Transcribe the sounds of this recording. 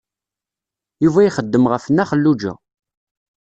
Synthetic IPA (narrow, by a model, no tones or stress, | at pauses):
juvæjiχəd̪ːəmʁəfənːæχəlːud͡ʒæ̰